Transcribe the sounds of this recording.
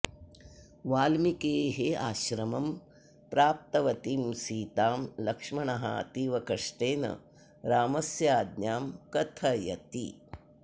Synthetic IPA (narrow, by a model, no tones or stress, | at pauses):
ʋaːlmikeːɦea̰ːʃɾɐmɐm | pɾaːp̚t̪ɐʋɐt̪imsiːt̪aːmlɐkʂmɐɳɐɦa̰t̪iʋɐkɐʂʈeːnɐ̰ | ɾaːmɐsjaːd̪ɲjaːmkɐt̪ʰɐjɐ̰t̪ḭ